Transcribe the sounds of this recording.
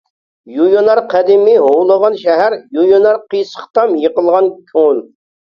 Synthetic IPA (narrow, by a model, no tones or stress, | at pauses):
jujonɑɾqʰæd̪ɪmɪɦowlˠəʁɑnʃɛɦæɾjujonɑɾqijsə̥χt̪ɑmjəqəlˠʁɑnkʲʰoŋl